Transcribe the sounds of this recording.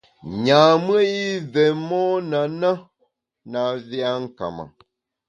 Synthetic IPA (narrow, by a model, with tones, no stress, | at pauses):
ɲa˨m˦ə˦i˦vɛ˨mɔː˦na˨na˦ | na˨vi˦a˦ŋ̩˦ka̰˨ma̰˨